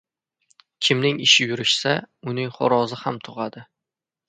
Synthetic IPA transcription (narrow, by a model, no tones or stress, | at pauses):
kʲʰɪmnɪŋɪʃɪjʊɾɪʃsaʊnɪŋχɒ̰ɾɒzɪhamt̪ʰʊʁad̪ɪ